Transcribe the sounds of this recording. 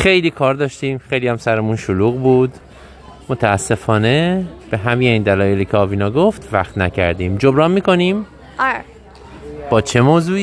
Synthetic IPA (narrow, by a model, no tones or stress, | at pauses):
xejliːkʰɒːɾd̪ɒːʃt̪iːmxe̞jliːhæmsæɾemunʃoluːɣbuːd̪ | mot̪ʰææsːe̞fɒːne̞b̥e̞ɦæmijeiːnd̪ælɒːjeliːcʰeɒːviːnɒːɡo̞ft̪væxt̪næcʰæ̰ɾd̪iːmd͡ʒobɾɒːnmiːko̞niːm | b̥ɒːt͡ʃʰe̞moːzuːiː